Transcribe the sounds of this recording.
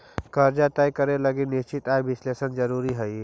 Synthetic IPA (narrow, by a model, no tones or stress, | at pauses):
kəɾd͡ʒat̪ɛjkəɾeləɡinɪst͡ʃɪt̪aːebɪsleːsənd͡ʒəɾuːɾiɦəi